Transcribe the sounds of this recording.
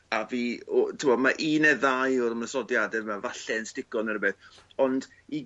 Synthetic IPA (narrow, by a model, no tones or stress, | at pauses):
aviːɔtʰɪmɔmaʔiːnɛðajɔɾəməsɔdjadɛmavaɬɛənstɪkɔnəɾbeθɔnd | i